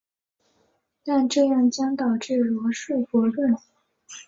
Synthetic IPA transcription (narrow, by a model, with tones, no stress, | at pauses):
t̪a˥˧nʈ͡ʂɤ˥˧jɑ˥˩ŋt͡ɕjɑ˥ŋt̪ɑ˨˩ʊʈ͡ʂɤ˥˩lwɔ˧˥ʂə˥˩fɔ˧˥ʈ͡ʂə˥˩